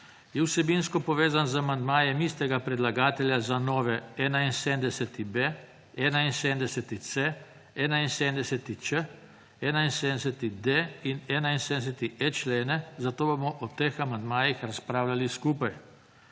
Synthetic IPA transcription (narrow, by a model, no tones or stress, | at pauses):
jɛwsɛbinskɔpɔʋeːzanzamand̪maːjɛmist̪ɛɡapɾɛd̪laɡaːt̪ɛljazanɔːʋɛɛːnainsend̪ɛsɛt̪ibe | ɛːnainsend̪ɛsɛt̪it̪se | ɛːnainsend̪ɛsɛt̪it͡ʃə | ɛːnainseːnsɛt̪id̪einɛːnainsed̪sɛt̪iʔɛt͡ʃleːnɛzat̪oːbomɔʔɔt̪examand̪maːjixɾaspɾaːwlaliskuːpaj